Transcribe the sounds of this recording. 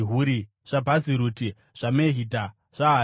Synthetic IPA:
ɦuɾi | ʐ̥abʱaziɾuti | ʐ̥ameɦidʱa | ʐ̥aɦa

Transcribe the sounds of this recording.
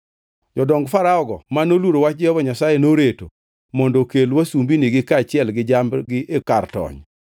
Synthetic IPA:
d͡ʒɔdɔŋɡfaɾaɔɡɔmanolwuɾowat͡ʃ̚d͡ʒɪhɔvɔɲasajenoɾeto | mɔndokelwasumbiniɡɪkaːt͡ʃɪɛlɡɪd͡ʒamɡɪʔekartɔ̰ɲ

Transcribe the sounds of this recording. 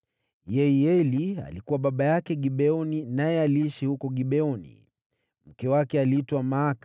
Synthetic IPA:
jɛiɛlia̰likuwaɓaɓajakɛɠiɓɛɔninajɛaliiʃihukɔɠiɓɛɔnḭ | m̩kɛwakɛaliitwamaːkḁ

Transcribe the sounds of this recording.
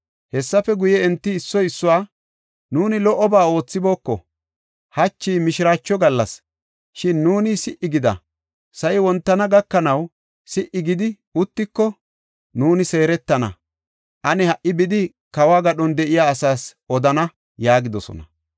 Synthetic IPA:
hɛsːɐfɛɡʊjɛɛnt̪ːɪːsːɔjɪsːʊwaː | nuːnɪlɔʔɔbaːo̞ːt͡sːɪbo̞ːkːɔ̰ | hɐt͡ʃːiːmɪʃɪɾaːt͡ʃːɔɡɐlːɐs | ʃɪnːuːnɪsɪʔːɪɡɪd̪ɐ̰ | sɐjwɔnt̪ːɐnɐɡɐkːɐnɐw | sɪʔɪɡɪd̪ɪ | ʊt̪ːɪkːɔ | nuːnɪse̞ːɾɛt̪ːɐnɐ̰ | ʔɐnɛhɐʔːɪbɪd̪ɪ | kɐwaːɡɐɗɔnd̪ɛʔɪjaːsaːs | ɔd̪ɐnɐ | jaːɡɪd̪ɔsɔ̰nɐ̰

